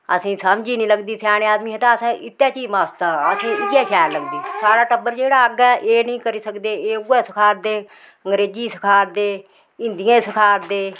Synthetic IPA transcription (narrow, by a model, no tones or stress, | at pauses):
ə̰sĩːsəmd͡ʒiːnĩːləɡd̪iːsɛːñeaːd̪miːɦẽt̪ãːəsãːʔɪt̪ːɛːt͡ʃiːmaːst̪ãːəsĩːɪɡɛːkʰɛːɾləɡd̪iːsaːɽaːʈəbəɾd͡ʒeːɽaːəɡɛːʔeːnĩːkəɾiːsəkd̪eːeːuɡɛːsɪkʰaːɾd̪eː | əŋɡɾeːd͡ʒiːsɪkʰaːɾd̪eː | ɪnd̪ɪjãːsɪkʰaːɾd̪eː